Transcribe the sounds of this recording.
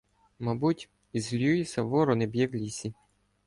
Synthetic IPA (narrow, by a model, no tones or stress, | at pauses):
mɐbutʲ | izlʲujisʲɐʋɔɾɔnɛbʲjɛwlʲisʲi